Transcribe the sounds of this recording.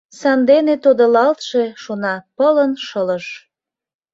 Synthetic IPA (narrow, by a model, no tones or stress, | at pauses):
sɑnd̪enet̪od̪olɑlt̪ʃeʃonɑpələnʃələʃ